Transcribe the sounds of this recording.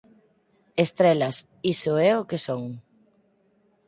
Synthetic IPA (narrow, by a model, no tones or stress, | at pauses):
est̪ɾelɐs | isʊɛokesoŋ